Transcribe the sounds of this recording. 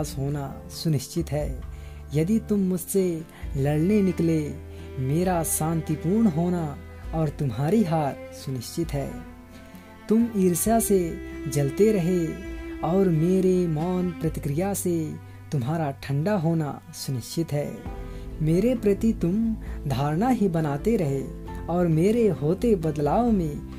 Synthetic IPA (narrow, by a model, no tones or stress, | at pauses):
sɦoːna | sʊnɪʃt͡ʃɪt̪ɦɛː | jɐd̪it̪ʊmːʊd͡ʒʱse | lɐɽnenɪkle | meːɾasãːnt̪ipuɾɳɦoːna | ɔːɾt̪ʊmɦaːɾiɦaːɾsʊnɪʃt͡ʃɪt̪ɦɛː | t̪ʊmiːɾsased͡ʒɐlt̪eɾɐɦeɔːɾmeːɾemɔːnpɾət̪ɪkɾɪjase | t̪ʊmɦaːɾaʈʰə̃ɳɖaɦoːna̰ | sʊnɪʃt͡ʃɪt̪ɦɛː | meːɾepɾət̪it̪ʊmd̪ʱaːɾnaɦibənaːt̪eɾɐɦe | ɔːɾmeːɾeɦoːt̪ebəd̪laːõmẽ